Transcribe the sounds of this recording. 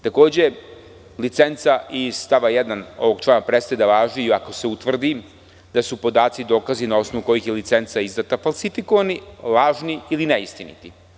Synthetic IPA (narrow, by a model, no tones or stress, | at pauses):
t̪ako̞ːd͡ʑe̞ | lit̪se̞nt̪saʔist̪aʋajed̪ano̞̰ʋo̞ɡt͡ʃlˠamapɾe̞st̪ajed̪aʋaːʒiiako̞se̞ut̪ʋr̩d̪i | d̪̥asupo̞d̪aːt̪sid̪o̞ːkazinao̞snoʋuko̞jixjelit̪se̞nt̪saizd̪at̪afalˠsifiko̞ʋanilaːʒniilineist̪inḭt̪i